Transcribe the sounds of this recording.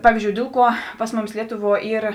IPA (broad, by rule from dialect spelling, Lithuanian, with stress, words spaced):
ˈpɑːʋʲiːzʲd͡ʒʲoːʊ ˈdʲeːlˠ ˌkuɔ ˈpɐs ˈmʊˌmʲɪs ˈlʲiɛtʊˌʋuɔ ˈiːr